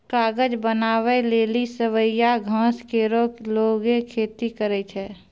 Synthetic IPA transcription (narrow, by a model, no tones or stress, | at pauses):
kaːɡəd͡ʒbənaːweleːlisəʋəjaɡʱãːskeːɾokloːɡekʰeːt̪ikəɾɛt͡ʃʰɛː